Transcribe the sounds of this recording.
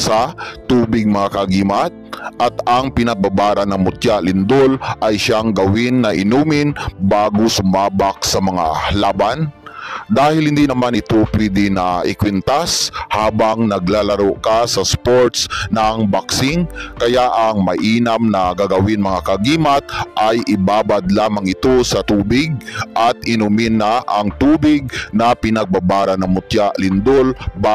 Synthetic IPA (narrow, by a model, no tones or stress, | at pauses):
sɐt̪uːbɪɡ̚mɐŋakɐɡiːmat̪̚ʔɐt̪ɐŋpɪnɐbabaːɾɐnɐmʊt̪jalɪnd̪olʔɐjʃaŋɡɐwɪnːɐʔɪnuːmɪnbaːɡosʊmaːbak̚sɐmɐŋa̰laːband̪aːhɪlhɪnd̪inɐmanʔɪt̪opwɛd̪ɪnɐʔɪ̰kwɛnt̪ashaːbaŋnɐɡlaːlɐɾoʔkasɐspoɹt̪snɐŋbaksɪŋkɐjaʔɐŋmɐʔiːnɐmnɐɡaɡɐwɪnmɐŋakɐɡiːmat̪̚ʔajʔɪbaːbad̪laːmaŋɪt̪osɐt̪uːbɪɡ̚ʔɐt̪̚ɪnʊmɪnaʔɐŋt̪uːbɪɡ̚nɐpɪnɐɡ̚babaːɾanɐmʊt̪jaʔlɪnd̪olba